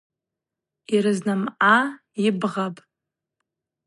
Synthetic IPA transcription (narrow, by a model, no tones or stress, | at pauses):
iɾɨznɨmʕa | ibʁapʼ